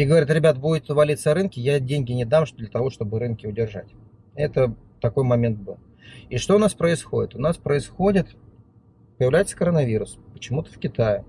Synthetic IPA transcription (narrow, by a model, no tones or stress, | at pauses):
iɡəvɐɾʲit̪ɾʲɪbʲat̪budʲɪt̪vɐlʲit̪səɾɨnkʲɪjadʲenʲɡʲɪnʲɪd̪amʂd̪lʲət̪ɐvo̞ʂt̪o̞bɨɾɨnkʲɪʊdʲɪrʐa̰tʲ | ɛt̪ə | t̪ɐko̞jmɐmʲe̞nt̪̚bɨlˠ | iʂt̪o̞ʊnaspɾəɪsxo̞dʲɪt̪ʊnaspɾəɪsxo̞dʲɪt̪ | pəjɪvlʲæjɪt̪sə̥kəɾənɐvʲiɾʊspə̥t͡ɕɪmut̪ə̥fkʲɪt̪ajɪ